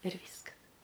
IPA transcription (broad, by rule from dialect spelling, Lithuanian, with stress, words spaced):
ɪr ˈʋʲiːskɐs